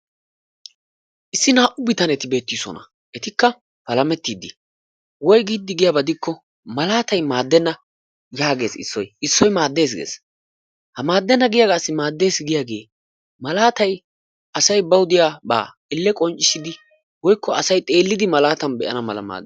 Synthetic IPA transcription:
ʔɪsːɪnaːʔʊbɪt̪ɐnɛt̪ɪbe̞ːt̪ːisɔ̰nɐ̰ | ʔɛt̪ɪkːɐ | pɐlɐmɛt̪ːiːd̪ɪ | wɔjɡiːd̪ːɪɡɪjabɐd̪ɪkʰːɔ | mɐlaːt̪ɐjmaːd̪ːɛnːɐ | jaːɡe̞ːsɪ̰sːɔjɪsːɔjmaːd̪ːe̞ːs̬ɡḛːs | hɐmaːd̪ːɛnːɐɡɪjaɡaːsːɪmaːd̪ːe̞ːsɡɪjaːɡe̞̰ː | mɐlaːt̪ɐj | ɐsɐjbɐwʊd̪ɪjaːba̰ː | ɪlːɛkʼɔnt͡ʃʼːɪsɪd̪ɪ | wɔjkːɔɐsɐjt̪ʼe̞ːlːɪd̪ɪmɐlaːt̪ɐnbɛʔɐnɐmɐlɐ̰ma̰ːd̪

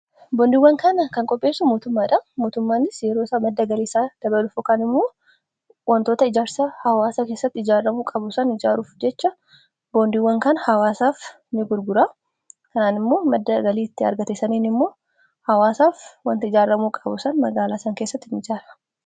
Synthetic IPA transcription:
boːnd̪ɪwːɐŋkɐnɐkɐŋkʼɔpʼːe̞ːsːʊmo̞ːt̪ʊmːaːᶑɐmo̞ːt̪ʊmːaːnɪsjɛɾoːsaːmɐd̪ːɐɡɐliːsaːd̪̥ɐbɐlʊfʊkɐnɪmːoː | wʔɐnt̪o̞ːt̪ɐɪd͡ʒaːɾsɐhɐwaːsake̞ːsːɐt̪ːɪɪd͡ʒaːrːɐmuːkʼɐbʊsɐnɪd͡ʒaːɾuːfd͡ʒɛt͡ʃːɐ | boːnd̪iwːɐŋkɐnhɐwaːsaːf | nɪɡʊɾɡʊɾaː | kɐnaːnɪmːo̞ːmɐd̪ːɐɡɐliːɪt̪ːɪɐ̰ɾɡɐt̪eːsɐniːnɪmːo̞ː | hɐwaːsaːfwɐnt̪ɐɪd͡ʒaːrːɐmuːkʼɐbʊsɐnmɐɡaːlaːsɐŋkeːsːɐt̪ːɪnɪd͡ʒaːɾɐ̥

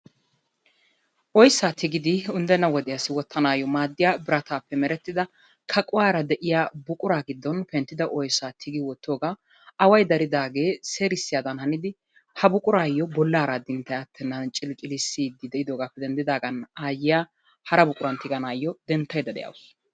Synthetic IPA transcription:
ʔɔjsːaːt̪ʰɪɡɪd̪ɪʊnd̪ɛnːɐwɔd̪ɪjasːɪwɔt̪ːɐnaːjɔmaːd̪ːɪjaːbɪɾɐt̪aːpːɛmɛɾɛt̪ːɪd̪ɐ | kʰɐkʼʊwaːɾɐd̪ɛʔɪjaːbʊkʼʊɾaːɡɪd̪ːɔnpɛnt̪ːɪd̪ɐʔɔjsːaːt̪ʰɪɡɪwɔt̪ːo̞ːɡaː | ɐwɐjd̪ɐɾɪd̪aːɡe̞ːseːɾɪsːɪjaːd̪ɐnhɐnɪd̪ɪ | hɐbʊkʼʊɾaːjːɔbɔlːaːɾad̪ɪnt̪ːɐjɐt̪ʰːɛnːɐnt͡ʃʼɪlɪt͡ʃʼɪlɪsːiːd̪ːɪd̪ɛʔɪd̪oːɡaːpːɛd̪ɛnd̪ɪd̪aːɡɐnaːjɪja | hɐɾɐbʊkʼʊɾɐnt̪ɪɡɐnaːjːɔd̪ɛnt̪ːɐjd̪ɐd̪ɛ̰jɐ̰wʊs

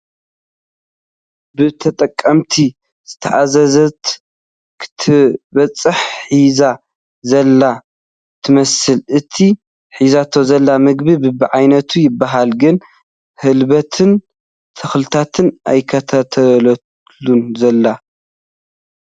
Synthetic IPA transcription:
bɨt̪ʰɐt̪ʼɐkʼːɐmt̪ʰi | z̥ɨt̪ʰɐʔazɐzɐt̪ | kʰɨ̥t̪ʰɨβɐt͡sʼːɨħħiza | zɐlːa | t̪ʰɨmɐsɨlʔɨt̪ʰi | ħizat̪ʰo̞zɐlːamɨɡbibɨbɨʕajnɐt̪ʰujɪbːaɦalɡɨn | hɨlβɐt̪ʰɨn | t̪ʰɐxlɨt̪ʰat̪ʰɨnʔajkʰɐt̪ʰat̪ʰɐlɐ | lunzɐlːa

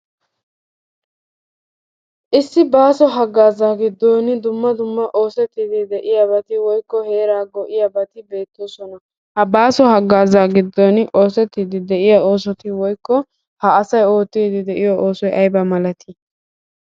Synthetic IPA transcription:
ʔɪsːɪbaːsɔɦɐɡːaːzaːɡɪd̪ːoːnd̪ʊmːɐd̪ʊmːɐʔo̞ːsɛt̪ːiːd̪ɪd̪ɛʔɪjabɐt̪ɪwɔjkːɔhe̞ːɾaːɡɔʔɪjabɐt̪ɪbe̞ːt̪ːoːsɔnɐ | hɐbaːsɔɦɐɡːaːzaːɡɪd̪ːɔno̞ːsɛt̪ːiːd̪ɪd̪ɛʔɪjao̞ːsɔt̪ɪwɔjkːɔ | hɐɐsɐjo̞ːt̪ːiːd̪ɪd̪ɛʔɪjɔʔo̞ːsɔjʔɐjbɐmɐlɐt̪ʰɪ

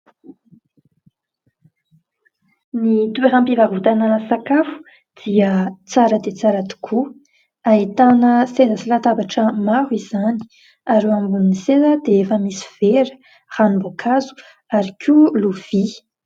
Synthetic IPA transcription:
nit̪ueɾampivavut̪anəsakafu̥ | d̪̥iət͡saɾəd̪et͡saɾət̪u̥kʰu | ait̪anəsezəsilat̪abaʈ͡ʂəmaɾwiz̥ani̥ | aɾeambuninisezəd̪eefamisi̥v̥eɾə̥ | ranimbokʰazu̥ | aɾikʰuluv̥i

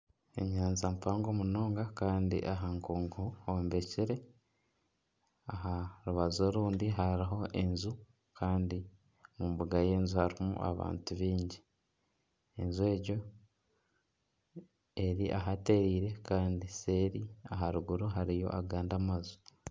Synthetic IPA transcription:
ḛɲaːnzampaːŋɡomuno̞ːŋɡakaːndḭʔaɦaŋkuːŋɡuhombe̞ciɾe̞ | aɦaɾuβazo̞ɾuːndiɦaɾiɦo̞ʔe̞nzu | kʰaːndi | mumbuɡaje̞ːnzuhaɾimṵʔa̰βa̰ːntuβiːɲɟi | enzue̞ːɟo̞ | e̞ɾiʔa̰ɦate̞ɾiːɾe̞kaːndise̞ɾiaɦaɾuɡuɾuɦaɾijo̞̰ʔaɡaːndamazu̥

